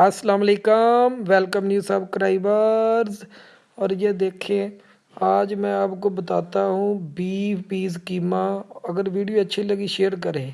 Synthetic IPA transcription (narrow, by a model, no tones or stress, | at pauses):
ɐsːəlaːmɐleːkəmʋɛlkəmnjuːsaːbkɾaːiʋaːɾz | ɔːɾjed̪eːkʰẽ | aːd͡ʒmɛ̃aːpkobɐt̪aːt̪aɦũbiːbiːzkiːmaɐɡəɾʋiːɖijoɐtːʃʰilɐɡiʃeːəɾk̬ɐɾẽː